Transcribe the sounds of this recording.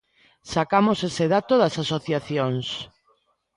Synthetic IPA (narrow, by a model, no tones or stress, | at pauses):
sakamoseseðat̪oðasasoθjaθjoŋs